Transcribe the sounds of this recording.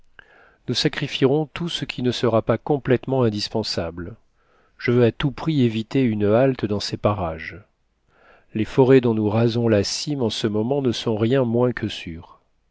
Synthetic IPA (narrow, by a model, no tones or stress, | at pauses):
nusakχifiʁɔ̃t̪usəkʲʰinəsəʁapakɔ̃plɛt̪mɑ̃ɛ̃d̪ispɑ̃sabl | ʒ̥əvøat̪upχievit̪eynalt̪d̪ɑ̃sepaʁaʒ | lefɔʁed̪ɔ̃nuʁazɔ̃lasimɑ̃səmɔmɑ̃nəsɔ̃ʁjɛ̃mwɛ̃kʰəsyːʁ